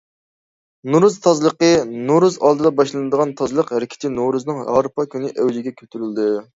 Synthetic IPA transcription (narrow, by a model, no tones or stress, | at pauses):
nuɾuzt̪ʰɑzlˠəqənuɾuzɑlˠd̪ɨd̪ɑbɑʃlˠɨnɨd̪əʁɑnt̪ʰɑzlˠəqɾɪkʲʰɪ̥t̪ʰɪnoɾuznɨŋɦɑ̰ɾpɑkʲʰynɪʔɛwd͡ʒɪɡʲɛkʲʰøt̪ʰyɾyld̪ɨ